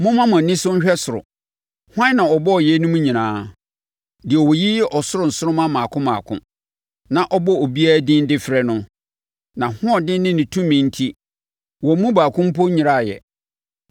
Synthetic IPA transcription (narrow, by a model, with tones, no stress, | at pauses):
mʊ̃˦mã˦mã˨nɪ̃˦sʊ˦ɲ̩˦ɕᶣɛ˦sʊ˨ɾʊ̰˨ | hʊ˦ã˦nã˨ɔ˨bɔ˦ɔ˨jɛ˦nʊ̃˦mũ˦ɲĩ˨nãː˨˦ | dɪ˨ɛ˨wɔ˨ji˦jɛ˦ʔɔ˨sʊ˦ɾʊ˨n̩˨sʊ˦ɾʊ˦mã˦mã˨kʰʊ̃˦mãː˨kʰʊ̰̃˦ | nã˨ʔɔ˦bɔ˦o˨bi˦a˦dɪ̃˦n˦dɪ˦fɾɛ˦nʊ̃˦ | nã˨hʊ̃˦ɔ˨dɪ̃˦nɪ̃˦nɪ̃˨tʰũ˦mĩ˨n̩˦tʰi˦ | wɔ˨˦mũ˦baː˨kʰʊ̃˦m̩˦pɔ˦ɲĩ˨ɾa˦˨jɛ̰˨